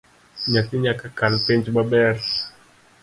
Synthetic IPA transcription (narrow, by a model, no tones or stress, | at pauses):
ɲatiɲakakalpent͡ʃbabɛɾ